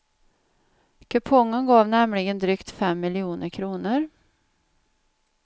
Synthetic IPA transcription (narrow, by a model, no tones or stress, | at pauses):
kʰœpʰɔŋːənɡɑːvnæmlɪɡənd̪ɾyːkt̪fɛmːɪlɪuːnʔəɾkʰɾuːnəɾ